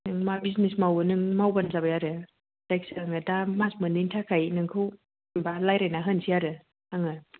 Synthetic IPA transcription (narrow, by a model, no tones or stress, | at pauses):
nɯŋmabiznesmawɯnɯŋmawbanzabajaɾɯ | tajk̚saaŋɯdamasmɯniŋtʰakʰajnɯŋkʰɯw | balajɾajnaɦɯnsʰijaɾɯ | aŋɯ